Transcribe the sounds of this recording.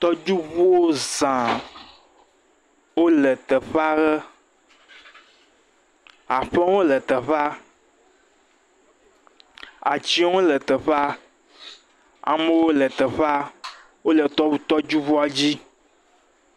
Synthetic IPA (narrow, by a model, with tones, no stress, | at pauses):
t̪ɔ˦d͡ʒu˦βu˦wo˦zã˨ | wo˦lə˨t̪ə˨ɸa˦ɣə˦ | a˨ɸə˦wo˦lə˨t̪ə˨ɸa˦ | a̰˨t͡ʃi˦wo˦lə˨t̪ə˨ɸa˦ | a̰˨mə˦wo˦lə˨t̪ə˨ɸa˦ | wo˦lə˨t̪ɔ˦wu˦t̪ɔ˦d͡ʒu˦βu˦a˨d͡ʑi˦